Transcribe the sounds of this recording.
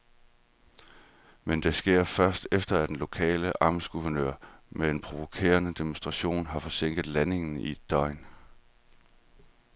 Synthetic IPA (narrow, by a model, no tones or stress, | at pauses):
mend̥e̝sɡ̥e̝ɐ̰fɶɐsd̥efd̥ɐæd̥enlo̝kʰɛ̰ːləʔɑ̈ːmsɡ̥uʋɐnø̰ɐmee̝npʰʁo̝ʋo̝kʰe̝̰ːɐnəd̥emonsd̥ʁɑ̈ɕo̝̰ːnɦɑ̈fɒ̽seŋ̰ɡ̥ð̩ˠlæne̝ŋn̩id̥ɒ̽ɪn